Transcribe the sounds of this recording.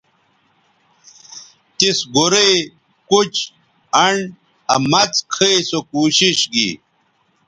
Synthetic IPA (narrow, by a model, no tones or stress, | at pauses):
t̪isɡoɾe | kut͡ɕ | ɐɳ | ɐmɐt͡skʰesokuːɕiɕɡḭ